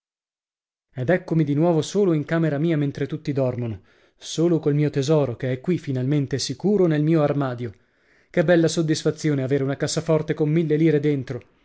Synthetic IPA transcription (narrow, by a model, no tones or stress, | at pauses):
ed̪ɛkːomid̪inwɔːvosoːloiŋkaːmeɾamiːament̪ɾet̪ut̪ːid̪ɔrmono | soːlokolmiːot̪ezɔːɾokeɛkːwifinalment̪esikuːɾonelmiːoarmaːd̪jo | kebːɛlːasod̪ːisfat̪sːjoːneaveːɾeunakasːafɔrt̪ekomːilːeliːɾed̪ent̪ɾo